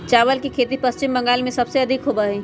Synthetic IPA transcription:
t͡ʃaːʋəlkikʰeːt̪̬ipɐst͡ʃɪmbɐ̃ŋɡaːlmẽsɐbseɐd̪ʱɪkɦoːbaːɦɛː

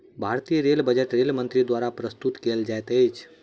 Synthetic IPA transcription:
bʱaɾt̪ijəɾelbəd͡ʒeʈɾelmənt̪ɾid̪waɾapɾəst̪ut̪keld͡ʒajt̪əjt͡ʃʰ

